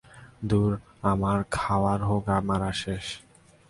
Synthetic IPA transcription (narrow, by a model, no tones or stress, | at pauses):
d̪uɾ | amaɾkʰawaɾɦoɡamaɾaʃeʃ